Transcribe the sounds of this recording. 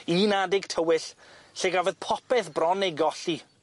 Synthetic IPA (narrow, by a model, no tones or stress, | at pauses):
ininadɪɡtʰəwɪɬɬeɡavɛðpʰɔpɛθbrɔnejɡɔɬi